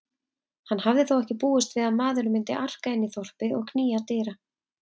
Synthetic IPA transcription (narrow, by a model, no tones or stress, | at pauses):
hanːhavðɪθowɛhcɪpuːʏst̪vɪːðaðmaːðʏɾʏmɪnt̪ɪ̰ʔar̥kaɪnːiθɔr̥pɪʔɔ̰ɣkʰniːjat̪ɪːɾa